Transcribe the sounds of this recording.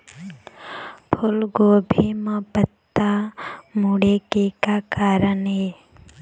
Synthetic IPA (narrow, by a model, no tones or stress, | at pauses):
pʰʊlɡoːbʱemə̃pət̪ːamuɽekekakaːɾənɦeː